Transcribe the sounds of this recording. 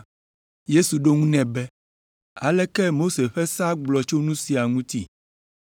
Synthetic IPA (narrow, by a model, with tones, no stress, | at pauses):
je˦su˨ɖo˦ŋũ˦nɛ̃˨bɛ˦ | a̰˨lɛ˦kɛ˦mo˦se˨ɸɛ˦sa˦ɡ͡blɔ˨t͡ʃo˦nũ˦si˨a˨ŋũ˦t̪i˦